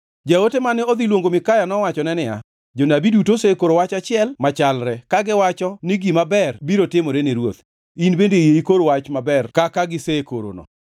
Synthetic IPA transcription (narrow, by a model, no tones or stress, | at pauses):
d͡ʒaotemanɪod̪ilwoŋɡomɪkajanɔwat͡ʃɔnɛnɪa̰ | d͡ʒonabidutosekoɾowat͡ʃat͡ʃɪɛlmat͡ʃalɾɛkaɡɪwat͡ʃɔniɡimabɛrbiɾotɪmɔɾeneɾwo̰t̪ | inbendejeikoɾowat͡ʃmabɛrkakaɡɪsekoɾo̰nɔ̰